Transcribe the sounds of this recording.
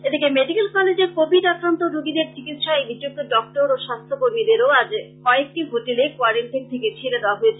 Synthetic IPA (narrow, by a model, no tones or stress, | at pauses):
ed̪ikemeɖikelkɔled͡ʑeɾkobʱiɖakɾant̪oɾoɡid̪eɾt͡ɕiɡit̪ʃaejbiɾd͡ʑuk̚t̪oɖɔk̚ʈoɾoʃast̪ʰokoɾmid̪eɾoad͡ʑkɔek̚ʈiɦoʈelekoaɾeɳʈint̪ʰeket͡ɕʰeled̪eoaɦoet͡ɕʰ